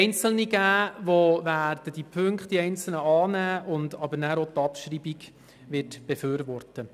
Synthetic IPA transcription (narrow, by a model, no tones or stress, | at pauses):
ɛɪnt͡sl̩niɡæːʋovæːrd̥əd̥ipʰʏŋkχtdiɛɪnt͡sl̩nəɑːnæːʔʊndɑbəɾnæːɾot̪ɑpʃriːbiɡ | ʋɪtb̥eføːɾʋɔrtə